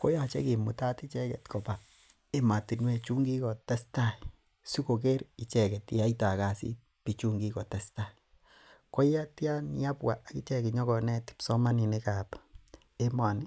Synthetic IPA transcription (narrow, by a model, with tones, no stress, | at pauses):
ko˦ja˨t͡ʃɛ̰˦ki˨mu˨ta˦ti˦t͡ʃɛ˦kɛ˨tko˨pa˨ | e˦ma˨ti˨nwe˦˧t͡ʃu˦ŋɡi˦kɔ˨tɛ˦sta˦ | su˦ko˨ke˦ɾi˨t͡ʃɛ˨kɛ˨tia˦ita˨ka˨sḭ˦ | pi˨t͡ʃu˦ŋɡi˦kɔ˨tɛ˦sta˦i | ko˦ja˦tja˦ni˦a˦pwa˨a˨ki˦t͡ʃɛ˦ki˨ɲɔ˦kɔ˨nɛ˦ti̥psɔ˦ma˦ni˨neka˨p | e˦mwa˨ni˦